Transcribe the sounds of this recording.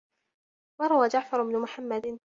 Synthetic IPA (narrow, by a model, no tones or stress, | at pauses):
wɑɾˤɑwaːd͡ʒaʕfɑɾˤɪbnʊmʊħamːad̪ɪn